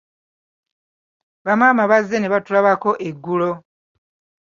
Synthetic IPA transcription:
βamaːmaβazːe̞neβatulaβako̞ʔeɡːulo̞

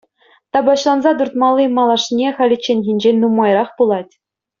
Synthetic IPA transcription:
t̪ɑbɑɕlˠɑnzɑt̪urt̪mɑlʲˠːimɑlˠɑʂnʲeχɑlʲit͡ɕːenʲɣʲinʲd͡ʑenʲnumɑjrɑχpulˠɑtʲ

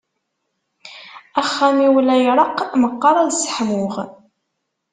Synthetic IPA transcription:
æχːæmiwlæjɾˤɑqːməqːɑɾˤɑlsə̥ħmʊʁ

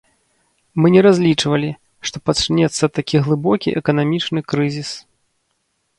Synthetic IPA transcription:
mɨnʲɛɾazʲlʲit͡ʂvɐlʲi | ʂt̪ɔpɐt͡ʂɨnʲɛt̪sːɐt̪ːakʲiɣlˠɨbɔkʲḭʔɛkɐnamʲit͡ʂnɨkɾɨzʲis

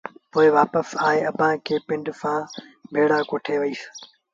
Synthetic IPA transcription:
poːɪʋaːpəsaːɦeɐbʱãkʰeːpɪ̃ɳɖsãːbʱeːɽaːkoːʈʰeʋɐiːs

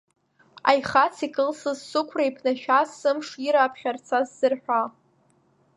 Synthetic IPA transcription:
a̰jχat͡sʰikʼɨlsɨzsʊkʷʰraipʰnaʃᶣasɨmʂiɾaːpʰχʲart͡sʰaz̥ːɨrħᶣʷa

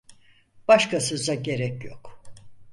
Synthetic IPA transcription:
b̥aʃkʰasɯzaɟe̞ɾɛcjo̰k

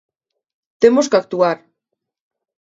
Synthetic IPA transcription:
t̪emoskak̚t̪uaɾ

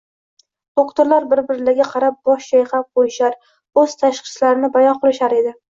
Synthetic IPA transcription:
d̪̥okt̪oɾlaɾbɪɾbɪɾɪlaɡʲaqʰɑɾap̚b̥ɒʃt͡ʃajχap̚bojɪʃaɾ | ɵz̥t̪ʰaʃqɨ̥slaɾɪnɪbajɒqʰɨlɪʃaɾe̞d̪ɪ

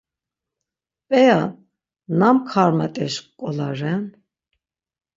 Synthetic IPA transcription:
pʼɛja | namkʰaɾmat̪ʼɛʃqkʼɔlaɾɛn

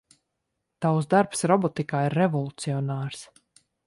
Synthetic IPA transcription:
t̪awsd̪aɾpsɾɔbɔt̪ikaːiɾːɛvɔlˠut̪siɔnaːɾs

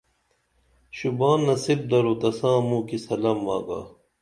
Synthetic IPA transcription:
ɕubaːnːɐsib̚d̪ɐɾoːd̪ɐsãːmũːkisɐlɐmːa̰ːɡa̰ː

